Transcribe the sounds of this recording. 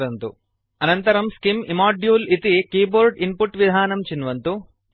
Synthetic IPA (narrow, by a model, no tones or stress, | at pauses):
ɐnt̪u | ɐnɐnt̪ɐɾɐmskimimaːɖjuːlit̪ikiːboːɾɖimpuʈːʋid̪ʱaːnɐmt͡ʃinʋɐnt̪u